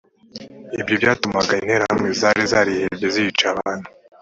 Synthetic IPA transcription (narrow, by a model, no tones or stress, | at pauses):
ibjobɟaːtumaɡain̥he̞ɾahamŋezaɾizaɾihebɟezijit͡ʃaβaːnhu̥